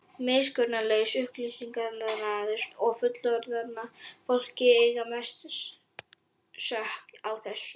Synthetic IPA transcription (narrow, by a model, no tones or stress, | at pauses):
mɪskœɾnalœːɥsʏhklʏiŋkaðnanːaðʏɾ̥t̪ɔfʏt̪lɔɾðat̪nːafowl̥cɪejɣamɛst̪s | sœhkawθɛsː